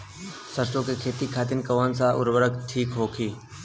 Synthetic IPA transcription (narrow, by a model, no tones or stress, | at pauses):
səɾsõkekʰeːt̪ikʰaːt̪̬ɪnkɐʋaːnsaʔʊ̰ɾʋəɾəkʈʰiːkɦoːkʰiː